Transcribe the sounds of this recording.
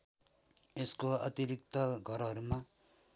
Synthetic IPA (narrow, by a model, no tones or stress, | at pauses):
eskoʌt̪iɾik̚t̪ʌɡʱʌɾɦʌɾuma